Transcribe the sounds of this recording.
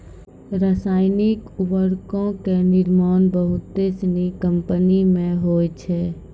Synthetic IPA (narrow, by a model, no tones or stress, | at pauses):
ɾəsaːɪnikuʋəɾkõkenɪɾmaːnbəɦʊt̪ːesnikəmpənimẽɦoːt͡ʃʰɛ